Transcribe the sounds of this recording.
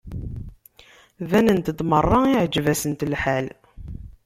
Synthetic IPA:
vænənt̪d̪mərˤːɑiʕd͡ʒvæsənt̪lħal

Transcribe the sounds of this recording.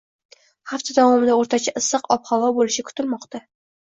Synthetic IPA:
haft̪ʰad̪avɒmɪd̪aoɾt̪ʰat͡ʃʰaʔɪsːɨqɒphavɒbolɪʃɪkʰʊ̥t̪ʰɪlmɒqt̪a

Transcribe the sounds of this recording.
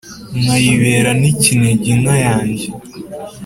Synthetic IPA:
ŋajiβe̞ːɾanicineɟinajaːɲɟe

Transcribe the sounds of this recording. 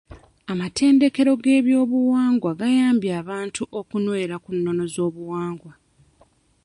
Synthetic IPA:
amate̞ːnde̞ke̞ɾo̞ɡe̞ːβjo̞ːβuwaːŋɡwaɡajaːmbjaːβaːntuʔo̞kunweːɾakunːo̞no̞zo̞ːβuwaːŋɡwa

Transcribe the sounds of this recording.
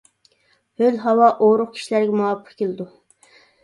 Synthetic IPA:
hølɦɑwɑʔoɾʊχkʲʰi̥ʃilæɾɡʲɛmuɑpʰːə̥χkʲʰelˠɨd̪u

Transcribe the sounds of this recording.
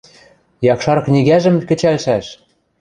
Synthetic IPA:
jɑkʃɑrknʲiɣæʒɘ̆mkɘ̆t͡ɕælʃæʃ

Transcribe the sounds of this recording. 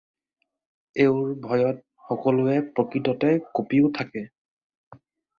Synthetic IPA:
eʊɹbʱɔjɔt̚ | xɔkɔlʊɛpɹokɹitɔtɛkopiʊtʰakɛ

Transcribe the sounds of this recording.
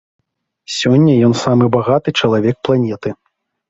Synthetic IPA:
sʲɔnʲːɐjɔnsamɨbaɣat̪ɨt͡ʂɐlˠavʲɛk̚plˠanʲɛt̪ɨ

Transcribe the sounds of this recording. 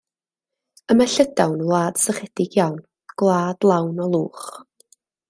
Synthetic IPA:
əmaɬədawnlˠaːd̥səχɛd̥ɪɡ̥jawn | ɡ̥lˠaːd̥lˠawnɔlˠuːχ

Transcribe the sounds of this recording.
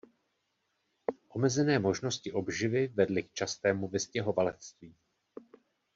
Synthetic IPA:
ʔo̞mɛzɛnɛːmo̞ʒno̞scɪʔo̞bʒɪvɪvɛdlɪk̚t͡ʃast̪ɛːmuvɪscɛɦo̞valɛt͡st̪viː

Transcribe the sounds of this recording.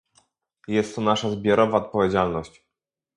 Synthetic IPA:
jɛst̪ːɔnaʂazbʲjɔɾɔvaɔt̪̚pɔvʲjed͡ʑalnɔɕt͡ɕ

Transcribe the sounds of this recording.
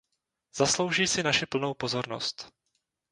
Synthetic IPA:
z̥aslo̞wʒiːsɪnaʃɪpl̩nowpo̞zo̞ɾno̞̰st̪

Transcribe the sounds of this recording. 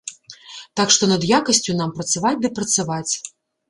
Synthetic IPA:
t̪akʂt̪ɔnɐd̪jakɐsʲt͡sʲunampɾɐt̪savad͡zʲd̪ɨpɾɐt̪savat͡sʲ

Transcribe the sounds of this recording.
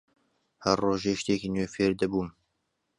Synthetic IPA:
hɐrroːʒeːʃt̪eːkiːneːfeːɾd̪ɐbuːm

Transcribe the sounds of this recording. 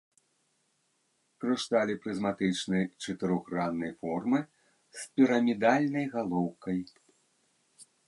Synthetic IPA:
kɾɨʂt̪alʲipɾɨzmat̪ɨt͡ʂnɨjt͡ʂɐt̪ɨɾɔɣɾanːɨjfɔrmɨ | spʲiɾɐmʲid̪alʲnɐjɣalˠɔwkɐj

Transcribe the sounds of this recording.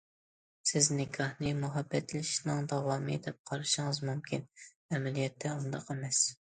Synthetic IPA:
sɪznɪkʰɑhnɨmuɦɛbːɛt̪lɪʃʃnɨŋd̪ɑwɑːmɨd̪ɛp̚qʰɑɾɨʃɪŋɨzmumkʲʰin | ɛmɛlijɛt̪ʰːɛund̪ɑqɛmɛs

